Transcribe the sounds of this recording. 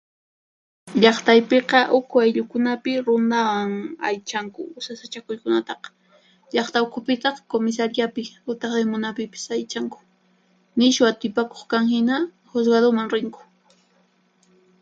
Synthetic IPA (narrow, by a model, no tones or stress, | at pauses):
ʎɑχt̪ajpeqɑʔʊkʰʊajʎʊkʊnapɪɾʊnd̪awaŋajt͡ʃaŋkʊ̰ʊsasat͡ʃakʊjkʊnat̪ɑqɑ̥ | ʎɑχt̪aʊkʰʊpɪt̪ɑχkomɪs̬aɾjapɪʊt̪eχd̪emʊnapɪpɪ̥sajt͡ʃaŋkʊ̥ | nɪʃwat̪ɪpako̥χkaŋhɪna | xʊs̬ɡaðomaŋɾɪŋkʊ̥